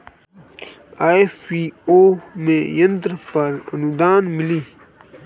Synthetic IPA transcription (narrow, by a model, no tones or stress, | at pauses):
aːefioːmẽjənt̪ɾpɐɾə̰nud̪aːnmiliː